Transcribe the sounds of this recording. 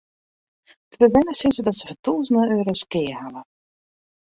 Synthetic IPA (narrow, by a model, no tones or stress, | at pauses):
d̥əbəʋɛnəsɪnsədɔtsəvɔtuːzəndəøːɾoskɪːhalə